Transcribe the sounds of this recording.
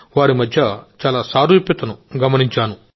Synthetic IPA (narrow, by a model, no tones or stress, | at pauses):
ʋaːɾimɐd̪ʱjɐt͡ʃaːlaːsaːɾuːpjɐt̪ɐnuɡɐmɐniɲt͡ʃaːnu